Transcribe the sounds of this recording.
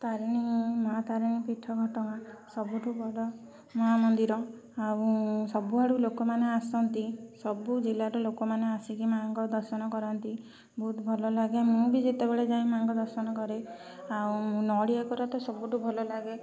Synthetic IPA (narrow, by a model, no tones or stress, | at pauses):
t̪aɾiñimat̪aɾinipiʈʰːɔɡʱɔʈɔnasɔbuʈubɔɽɔ | mɔɦamɔnd̪iɾɔ | aũsɔbuaɽulokɔmaneasɔnt̪isɔbud͡ʒilaɾulokɔmaneasikimaŋɡɔd̪ɔɾsɔnɔkɔɾɔnt̪i | bʱut̪ʰbʱɔlɔlaɡemũbid͡ʒet̪ebeɭed͡ʒaĩmaŋɡɔd̪ɔɾsɔnɔkɔɾe | aũũnɔɽiakɔɾɔt̪ɔsɔbuʈubʱɔlɔlaɡe